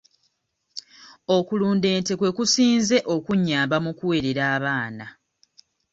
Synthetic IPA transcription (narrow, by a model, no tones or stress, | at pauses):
o̞kuluːnde̞ːnte̞kwe̞kusiːnze̞ʔo̞kuɲːaːmbamukuwe̞ɾeɾaːβaːna